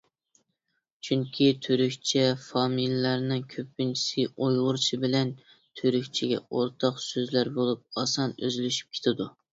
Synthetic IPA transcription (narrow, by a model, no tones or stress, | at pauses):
t͡ʃʰyŋkʲʰit̪ʰyɾykʲt͡ʃʰɛfɑmillæɾnɪŋkʲʰøpːynt͡ʃʰi̥sɨojʁʊɾt͡ʃʰɨbɪlɛn | t̪ʰyɾykʲt͡ʃʰiɡʲɛ̰oɾt̪ʰɑqsøzlæɾbolˠup̚ɑsɑnøzlyʃy̥p̚kʲʰe̥t̪ʰɪd̪u